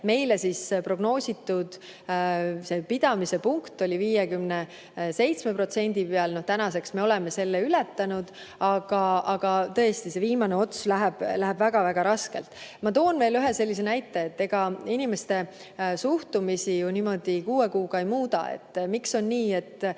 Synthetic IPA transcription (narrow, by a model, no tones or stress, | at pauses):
me̞jlesispro̞ɡ̥no̞ːsʲit̪ːud̪̥ | se̞pid̪̥ɑmise̞puŋkt̪ˑo̞lʲiviːjekymne | se̞jt̪sme̞pro̞t̪se̞nʲd̪̥ipeɑlno̞ht̪ænɑse̞ksme̞o̞lɛme̞se̞lːeylɛt̪ːɑnud̪̥ | ɑɡ̥ɑɑɡ̥ɑt̪ɤ̞est̪ise̞viːmɑne̞o̞t̪slæɦeb̥læɦebvæɡ̥ɑvæɡ̥ɑɾɑske̞lt̪ˑmɑt̪o̞ːnve̞ːlyɦese̞lːis̬e̞næjt̪ːˑe̞ːt̪ːe̞ɡ̥ɑinʲimest̪e̞ | suht̪umisijuniːmo̞d̪̥ikuːe̞kuːɡ̥ɑejmuːd̪̥ɑ̰ḛt̪ːmikso̞nniːe̞t̪ːˑ